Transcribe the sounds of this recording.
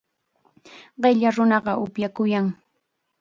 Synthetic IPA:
ɢɪʎaɾʊnɑɢɑʔʊpjakʊjaŋ

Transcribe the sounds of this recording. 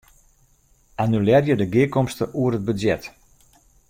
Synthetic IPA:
anylɛrjədəɡɪəkɔmstəʔuərəd̚bəzjɛt

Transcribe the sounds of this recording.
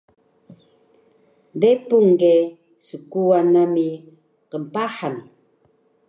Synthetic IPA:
depuŋɡe | səkuanami | qəmpaħan

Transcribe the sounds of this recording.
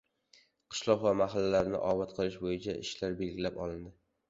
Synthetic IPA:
qʰɨ̥ʃlˠɒqvamaɦalːalaɾnɪ̰ʔɒvat̪qʰɨlˠɪʃbojɪt͡ʃʰaɪ̰ʃlaɾbe̞lɡʲɪlapɒlˠɪnd̪ɪ

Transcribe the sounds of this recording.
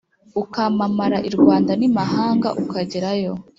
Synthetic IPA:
ukamamaɾaʔiɾɡwaːndanimaɦaːŋɡa̰ʔukaɟiɾajo̞

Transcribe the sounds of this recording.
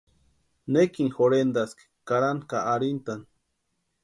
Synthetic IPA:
nekiŋxoɾend̪ask | kaɾankaːɾint̪an

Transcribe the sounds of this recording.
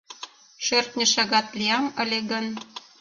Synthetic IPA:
ʃørt̪nʲɘ̆ʃɑɣɑt̪lʲiɑmə̆lʲeɣə̆n

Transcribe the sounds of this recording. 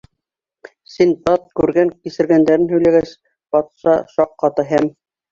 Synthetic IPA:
sint̪ɑt̪̚kʉɾɡæŋkisɘ̆ɾɡænd̪æɾɘnhɵ̆jlæɡæs | b̥ɑt̪ʃɑʃɑqːɑt̪ɤɦæm

